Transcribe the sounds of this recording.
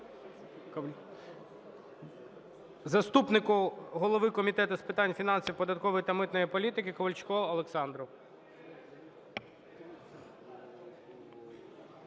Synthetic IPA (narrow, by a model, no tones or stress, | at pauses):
zɐst̪upnɪkʊɦɔlˠɔʋɪkɔmʲit̪ɛt̪ʊspɪt̪ɑnʲfʲinɑnʲsʲiwpɔd̪ɐt̪̚kɔʋɔjit̪ɐmɪt̪nɔjipɔlʲit̪ɪkɪkɔʋɐlʲt͡ʃkɔlˠɔlˠeksɑnd̪ɾʊ